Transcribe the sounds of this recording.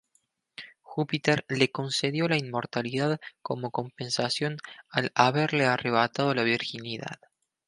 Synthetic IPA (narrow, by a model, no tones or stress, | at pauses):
xupit̪eɾle̞ko̞nseðjo̞lainmo̞ɾt̪aliðaðko̞mo̞ko̞mpe̞nsasjo̞nalaβeɾleareβ̞at̪að̞olaβ̞iɾxiniða̰ð